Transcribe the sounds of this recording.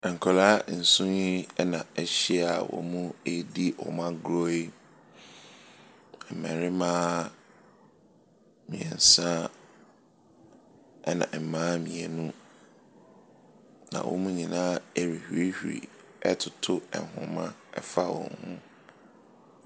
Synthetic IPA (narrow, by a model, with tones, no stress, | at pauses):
ɛ˨ŋ̩˨kʰɔ˨laː˦n̩˨sʊ̃˦ɲi˦ɛ˦nã˨ɛ˨ɕi˦a˨wɔ̰˨mũ˦e˦di˦ɔ˨mã˦ɡɾo˦e˦ | ɛ˨m̩˨mɛ̃˨ɾɪ˦mãː˦ | mĩ˨ɛ̰˨n̩˨sã˦ | ɛ˦nã̰˨ʔm̩˨mãː˦mĩ˨ɛ˨nũ˦ | nã̰˨wʔɔ̰˨˦mũ˦ɲĩ˨nãː˦e˦ɾi˨hɥe˦hᶣḭ˨ | ɛ˦tʰʊ˨tʰʊ˦ɛ̰˨ɦʊ̰̃˨mã̰˦ɛ˦fa˦wɔ̰̃˨ŋhʊ̃˦